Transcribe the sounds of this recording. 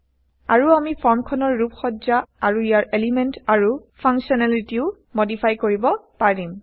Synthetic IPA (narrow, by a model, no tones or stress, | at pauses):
aɹuamipʰɔɹmkʰɔnɔɹːupxɔzaaɹuijaɹelimɛntaɹupʰaŋksɔnalitiʊ | modipʰajkoɹibɔpaɹim